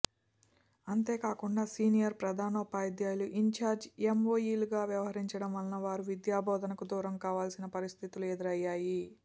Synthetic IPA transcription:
ɐnt̪e̞ːkaːkuɳɖaːsiːnijɐɾpɾɐd̪ʱaːnɐːpaːjd̪jaːjluʔiɲt͡ʃaːɾd͡ʒemoːjiːluɡaːʋjɐʋɐɦɐɾiɲt͡ʃɐɽɐmɐnnːɐʋaːɾuʋid̪jaːbɔːd̪ɐnɐkud̪uːɾɐmkaːʋaːlsinɐpɐɾist̪ʰit̪ulued̪ɐɾɐjːaːji

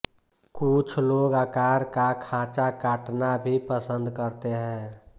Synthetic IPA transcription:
kut͡ʃʰloːɡakaːɾkakʰãːt͡ʃakaːʈnabʱipəsə̃nd̪kəɾt̪eɦɛ̃ː

